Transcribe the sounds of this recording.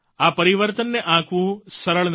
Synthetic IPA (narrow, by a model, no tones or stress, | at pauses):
aːpɐɾiʋɐɾt̪ɐnːeʔaːkusɐɾɐɭn